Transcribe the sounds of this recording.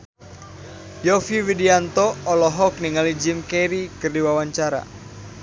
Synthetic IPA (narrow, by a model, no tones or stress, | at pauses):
jɔfiwidiant̪ɔːlɔɦɔk̚niŋalid͡ʒimkɛɾikɨrdiwawaɲt͡ʃaɾa̰